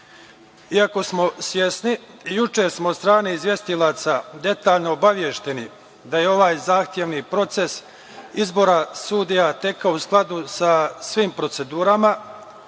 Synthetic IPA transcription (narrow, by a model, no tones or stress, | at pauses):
iako̞smo̞sʋje̞sniː | jut͡ʃe̞ɾsmost̪ɾaːneizʋje̞st̪ilaːt̪sad̪e̞t̪aːʎnoːbaʋje̞ʃt̪e̞ni | d̪ajeo̞ʋaːjzaːxt̪je̞ʋnipɾo̞t̪se̞s | izbo̞ɾasud̪ijat̪e̞kaousklˠad̪usasʋiːmpɾo̞t̪se̞d̪uːɾama